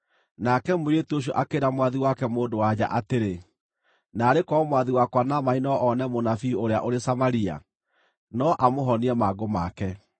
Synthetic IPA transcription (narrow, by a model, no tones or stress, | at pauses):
nakɛmoɾetoɕ̬jɔʔakeɾamwaðiwakɛmoːdowad͡ʑa̰ʔateɾe | naːɾekɔmwaðiwakwanamainɔʔɔnɛmonafioɾea̰ʔoɾesamaɾia̰ | nɔʔamoɦɔniɛmaɡomakɛ